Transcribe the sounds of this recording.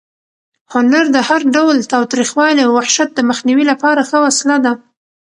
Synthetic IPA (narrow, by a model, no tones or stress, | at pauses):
hʊnaɾd̪əhaɾɖawlt̪ɑwt̪ɾixwɑliawwahʃat̪̚d̪əməxniwilapɑɾaxəwaslad̪a